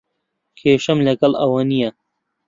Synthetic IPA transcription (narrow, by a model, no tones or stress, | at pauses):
kʰeːɕɐmlʲɐkɐlɐ̰wanijɐ